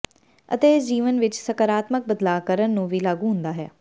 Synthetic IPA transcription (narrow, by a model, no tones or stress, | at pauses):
ə̰t̪eːɪsd͡ʒiːʋənʋɪt͡ʃsəkəɾaːt̪mək̚bəd̪laːkəɾənːũːʋiːlaːɡũːɦʊ̃nd̪aːɦɛ̰ː